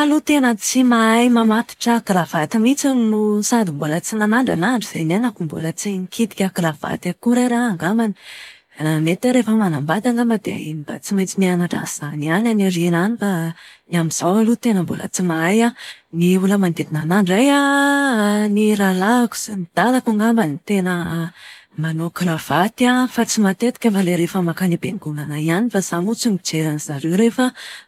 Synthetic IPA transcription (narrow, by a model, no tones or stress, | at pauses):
alut̪enət͡simaajmamat̪i̥ʈ͡ʂəːklavat̪imit͡simusad̪imbolət͡sinanaɳɖ͡ʐa̰naɳɖ͡ʐiz̥enanakumbṵlət͡siŋikʰit̪i̥kʲakilav̥a̰t̪akuɾaɾaaŋɡamani̥ | met̪aɾefəmanambat̪aŋɡamad̪ea̰inib̥a̰t͡simajt͡simianaʈ͡ʂa̰z̥aniananarinanifaniamiz̥awalut̪enəmbulə̰t͡simajaniuləmand̪ed̪inanaɳɖ͡ʐaja | niɾalaku̥z̥emid̪̥alakuŋɡambanit̪enə | manokɾav̥at̪iafat͡simat̪et̪i̥kʲəaleɾefəmakanibeŋɡunanaianifaz̥anut͡simid͡ʒeɾanz̥aɾewɾefə